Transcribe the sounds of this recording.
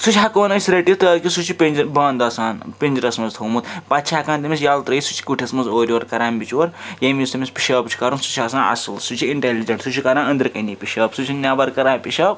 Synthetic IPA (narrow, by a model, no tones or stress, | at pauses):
sut͡ʃʰʲɦakoːnɐsʲɾeʈit̪ɐkʲisut͡ʃʰipend͡ʒbɐːnd̪ɐsaːnpʲind͡ʒiɾɐsmɐzt̪ʰomut̪pɐt̪t͡ʃʰʲakaːnt̪ɐmisjaːlt̪ɾɐisu̥t͡ʃʰi̥kuʈʰʲɐsmɐnzoːɾʲiʋɐɾkɐɾaːmbʲit͡ʃʋɐɾjɐmʲist̪ɐmʲispʲi̥ʃɐːpt͡ʃʰi̥kɐɾunsu̥t͡ʃʰɐsãːnɐ̰silsut͡ʃʰiiɳʈelid͡ʒɐɳʈsut͡ʃʰikɐɾaːnɐnd̪ɾkɐnipʲiʃɐːpsut͡ʃʰinʲaːbɐɾkɐɾaːpʲiʃɐːp̚